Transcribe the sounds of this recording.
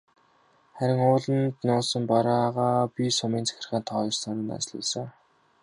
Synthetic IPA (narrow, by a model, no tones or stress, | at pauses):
χæɾʲɪ̆ŋʊːɮə̆nt̪nʊːsə̆mpɔɾaːʁaːpisʊmiːnt͡sʰæ̥xʲɪ̆rχaːnt̪ʰɔːjsanə̆na̰t͡ɕɮʊ̰sə̆ŋ